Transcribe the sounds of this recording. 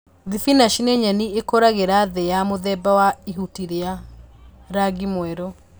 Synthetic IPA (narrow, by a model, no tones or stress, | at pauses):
ðifinaʃineɲaniekoɾaɣeɾaðejamoðɛbawaiɦutiɾea | ɾaɡimwɛɾo